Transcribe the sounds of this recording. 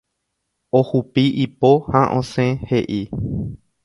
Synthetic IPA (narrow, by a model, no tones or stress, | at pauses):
ohupiʔipohaʔõsẽhe̞ʔi